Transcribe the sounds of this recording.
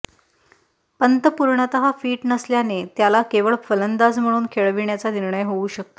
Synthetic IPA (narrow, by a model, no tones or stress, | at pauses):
pənt̪əpuɾɳət̪əɦafiːʈnəsljanet̪jalakeʋəɭfələnd̪ad͡zm̤əɽ̃uːnkʰeɭʋiɳjat͡saniɾɳəjɦouɕək̚t̪o